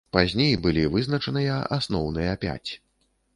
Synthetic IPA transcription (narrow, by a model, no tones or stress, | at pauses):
pazʲnʲejbɨlʲivɨzn̪ɐt͡ʂɐnɨjɐʔasnɔwnɨjɐpʲa̰t͡sʲ